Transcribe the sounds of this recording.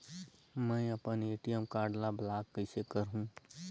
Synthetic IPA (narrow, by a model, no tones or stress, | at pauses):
mɛ̃ːɐpəneːʈijəmkaːɖlablaːkːəɪsekɐɾɦũ